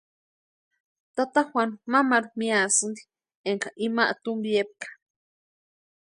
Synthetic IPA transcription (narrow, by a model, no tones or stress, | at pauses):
t̪at̪ahwanmamaɾumĩasɨnd̪i̥ | eŋkaʔimaʔat̪umbiep̚kḁ